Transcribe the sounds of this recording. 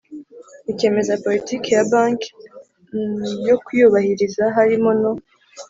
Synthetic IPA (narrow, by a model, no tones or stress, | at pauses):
ike̞ːme̞zapo̞litiːkejabaːŋk | jokujuβahiɾizaɦaɾimono